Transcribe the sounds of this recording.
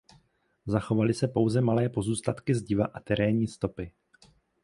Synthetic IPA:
zaxo̞valɪsɛpo̞wzɛmalɛːpo̞zuːst̪at̪kɪzɟɪva̰ʔat̪ɛɾɛːɲiːst̪o̞pɪ

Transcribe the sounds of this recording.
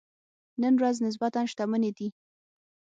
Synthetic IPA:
nənɾaznɪs̬bat̪ɑnʃt̪aməned̪i

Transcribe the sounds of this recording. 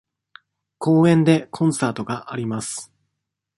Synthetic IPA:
ko̞ːẽ̞nd̪e̞kʰõ̞ɰ̃saːt̪o̞ɡaʔaɾʲimasɨ̥

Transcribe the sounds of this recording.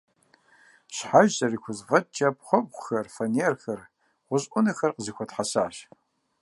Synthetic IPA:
ɕħaʒzʼɐriːkʷʊzvɐt͡ʃʼɐp̚ʰχʷɔp̚ʷxɐrfɐneːrxɐr | ʁʷʊʑʼʔʷʊnɐxɐrqəzɨxʷʰɔtħasaːʃ

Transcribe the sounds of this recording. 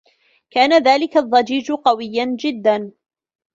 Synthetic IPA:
kaːnaðaːlɪkaðˤːɑd͡ʒiːd͡ʒqɑwɪjːand͡ʒɪd̪ːan

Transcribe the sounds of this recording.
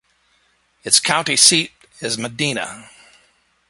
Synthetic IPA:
ɨtskʰãʊ̃ntisiɾ | ɪzmədĩnə̰

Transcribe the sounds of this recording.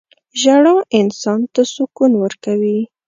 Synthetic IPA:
ʒaɽɑʔɪnsɑnt̪asʊkunwəɾkawi

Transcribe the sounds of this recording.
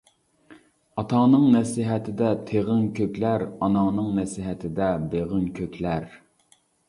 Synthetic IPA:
ɑt̪ʰɑnɨŋnɛsiɦɛt̪ʰɪd̪ɛt̪ʰeʁɪŋkʲʰøkʲlæɾɑnɑnɨŋnɛsiɦɛt̪ʰɪd̪ɛbeʁənkʲʰøkʲlæɾ

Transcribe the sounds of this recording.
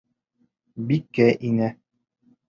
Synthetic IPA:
bikːæʔinæ

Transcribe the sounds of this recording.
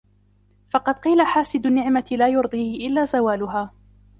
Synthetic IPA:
fɑqɑd̪̚qiːlaħaːsɪd̪ʊnːɪʕmat̪laːjʊɾd̪ˤiːhɪʔɪlːaːzawaːlʊɦaː

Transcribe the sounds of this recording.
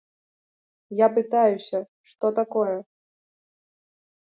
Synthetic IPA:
japɨt̪ajusʲɐ | ʂt̪ɔt̪akɔjɛ

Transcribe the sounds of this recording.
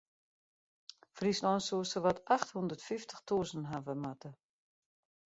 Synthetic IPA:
frisnɔjnsuəsəʋɔtʰaxthundətfiftʰə̥xtʰuəzənɦavəmatə

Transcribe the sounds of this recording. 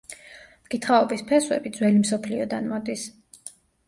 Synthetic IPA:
mɡ̥it̪ʰχaɔbispʰɛswɛ̰bid̪zwɛlimsɔpʰliɔd̪anmɔd̪is

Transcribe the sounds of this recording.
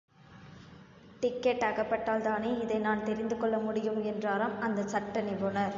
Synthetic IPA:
ʈɪkːɛʈːɐɣɐpːɐʈːaːlt̪aːneːɪðɐɪnaːnt̪ɛɾɪnd̪ɯkɔɭːɐmʊɽɪjɯmɛndraːɾɐmɐnd̪ɐsɐʈːɐnɪʋɔnɐɾ

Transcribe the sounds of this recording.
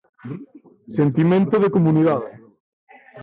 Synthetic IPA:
sent̪imẽnt̪oðekomuniðað

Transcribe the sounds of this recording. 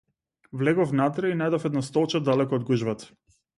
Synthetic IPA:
vlɛɡɔfnat̪ɾɛinajd̪ɔfɛd̪nast̪ɔlˠt͡ʃad̪alɛkɔːd̪̚ɡuʒvat̪ə̥

